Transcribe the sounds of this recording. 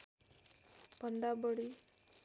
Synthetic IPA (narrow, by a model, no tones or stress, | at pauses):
pənd̪abəɽi